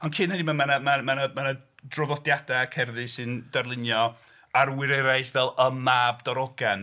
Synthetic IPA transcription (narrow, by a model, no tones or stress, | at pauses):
ɔnkʰɪnhɛdimamanamamanəmanədrɔvɔdjadaakʰɛrðɨsɨnd̥arlˠɪnjɔ | arwɪɾɛɾajθvɛlˠəmːaːbdɔɾɔɡan